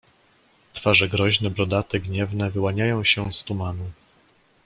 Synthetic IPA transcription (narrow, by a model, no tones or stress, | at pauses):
t̪faʐɛɡɾɔʑnɛbɾɔd̪at̪ɛɡɲɛvnɛvɘwaɲajɔ̃w̃ɕɛst̪umanu